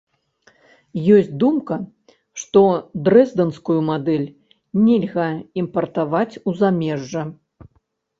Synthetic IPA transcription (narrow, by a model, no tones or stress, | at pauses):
jɔsʲt͡sʲd̪umkɐ | ʂt̪ɔd̪ɾɛzd̪ɐnskujumad̪ɛlʲ | nʲɛlʲɣɐimpɐrt̪avat͡sʲuzamʲɛʐːɐ